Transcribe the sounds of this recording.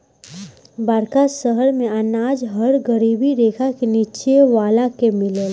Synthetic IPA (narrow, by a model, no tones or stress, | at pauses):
baːɾkasəɦəɾmẽənaːd͡ʒɦəɾɡəɾiːbiɾeːkʰakeniːt͡ʃeʋaːlakemɪleːl